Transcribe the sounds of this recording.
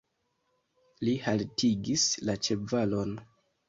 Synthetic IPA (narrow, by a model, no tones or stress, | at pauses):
lihaltiɡislat͡ʃe̞valo̞n